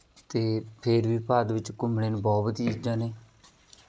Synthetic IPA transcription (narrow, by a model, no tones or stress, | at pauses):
t̪eːpʰeɾbiːpaːd̪ʋɪt͡ʃkʊmɽeːnbɔːbəd̪iːid͡ʒãːneː